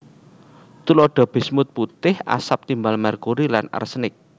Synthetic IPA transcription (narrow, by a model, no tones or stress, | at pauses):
t̪ulɔɖ̥a̤b̥e̤smʊt̪̚put̪ɪhʔa̰sap̚t̪imbalmarkuɾilana̰rsənɪk̚